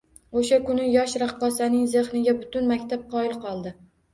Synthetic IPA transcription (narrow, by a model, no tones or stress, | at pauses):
oʃakʊnɪjɒʃɾaχɒsanɪŋzeχnɪɡʲabʊt̪ʊnmakʲt̪ʰap̚qʰɒɪlˠqʰɒlˠd̪ɪ